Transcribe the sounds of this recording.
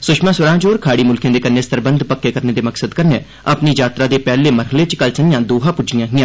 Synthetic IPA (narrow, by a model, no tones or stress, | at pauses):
sʊʃmãːsʊɾãːd͡ʒoːɾkʰaːɽiːmʊlkẽːd̪eːkəɾneːst̪əɾbənd̪pəkːeːkəɾneːd̪eːməksəd̪kəɾneː | əpniːd͡ʒaːt̪ɾaːd̪eːpɛːleːməɾɦəleːt͡ʃkəlsənɪjãːd̪oːɦãːpʊd͡ʒɪjãːɦɪjãː